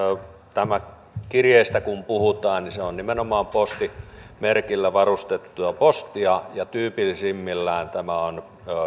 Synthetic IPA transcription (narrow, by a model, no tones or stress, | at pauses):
t̪æmæ | kirjeˑist̪ækumpuhut̪ɑːnniseonnimenomɑːmpost̪imerkilːæʋɑrust̪et̪ːujɑpost̪iɑjɑt̪yːpilːisimːilːæːnt̪æmæon